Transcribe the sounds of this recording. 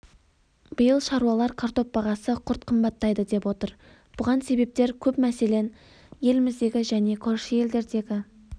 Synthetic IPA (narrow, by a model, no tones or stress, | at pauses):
b̥əjəlˠʃɑɾuɑlˠɑɾkʰart̪o̞p̚bɑʁɑsəqʰʊɾt̪̚qʰəmbɑt̪ːɑjd̪əd̪e̞pwo̞t̪əɾ | b̥ʊʁɑnse̞be̞p̚t̪e̞ɾkʲʰɵpmæse̞le̞n | je̞lɪmɪzd̪e̞ɡʲɪʒæne̞kʰolʃɪje̞ld̪e̞ɾd̪e̞ɡʲɪ